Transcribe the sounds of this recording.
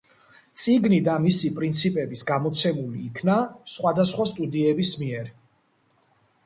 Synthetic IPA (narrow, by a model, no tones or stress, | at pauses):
t̪sʼiɡnid̪amisipʼɾint̪sʰipʼɛbisɡamɔt̪sʰɛmuliːkʰnasχwad̪asχwast̪ʼud̪iɛbismiɛɾ